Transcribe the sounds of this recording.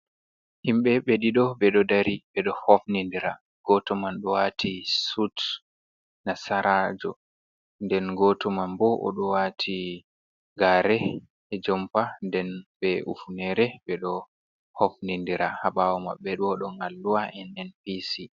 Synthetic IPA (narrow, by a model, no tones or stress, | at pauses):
himɓɛɓeɗiɗɔbɛɗɔdaɾibɛɗɔhofnindiɾa | ɡ̥ɔtɔmanɗɔwatʰisut | nasaɾʔad͡ʒɔ̰ | ndɛnɡɔtɔmanbɔʔɔ̰ɗɔwatʰi | ɡaɾɛ | ɛd͡ʒɔmpandɛnbɛṵfunɛɾɛbɛɗɔ | hofnindiɾahabawɔma̰ɓːɛɗɔːɗɔŋɡalːuwaɛnɛnpisi